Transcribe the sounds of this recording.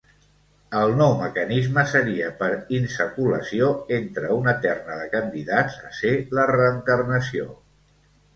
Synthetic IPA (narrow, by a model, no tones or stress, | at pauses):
əlˠnɔwməkənizməsəɾiəpəɾinsəkulə̰sioent̪ɾəunət̪ɛrnəðəkənd̪iðazəselərəːŋkərnəsio̰